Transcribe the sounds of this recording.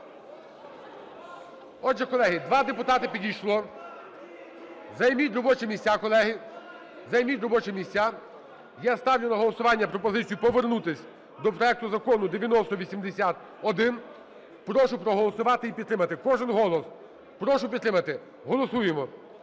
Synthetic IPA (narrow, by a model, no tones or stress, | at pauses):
ɔʒɛkɔlˠɛɦɪd̪ʋɑd̪epʊt̪ɑt̪ɪpʲidʲijʃlˠɔ | zɐjmʲit̪ʲɾɔbɔt͡ʃɛmʲisʲakɔlˠɛɦɪ | zɐjmʲit̪ʲɾɔbɔt͡ʃɛmʲisʲt͡sʲːa | jast̪ɑwjʲʊnɐɦɔlˠɔsʊʋɑnʲːɐpɾɔpɔzɪt͡sʲijupɔʋernut̪ɪsʲ | d̪ɔpɾɔɛk̚t̪ʊzɐkɔnʊd̪eʋʲjɐnɔst̪ɔʋʲisʲimd̪esʲat̪ | ɔd̪ɪn | pɾɔʃʊpɾɔɦɔlˠɔsʊʋɑt̪ɪipʲid̪t̪ɾɪmɐt̪ɪkɔʒɪnɦɔlˠɔs | pɾɔʃʊpʲd̪ɾɪmɐt̪ɪ | ɦɔlˠɔsujemɔ